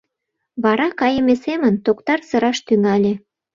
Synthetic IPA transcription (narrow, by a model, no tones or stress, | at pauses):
βɑɾɑkɑjə̆mesemənt̪okt̪ɑrsə̆ɾɑʃt̪yŋɑlʲe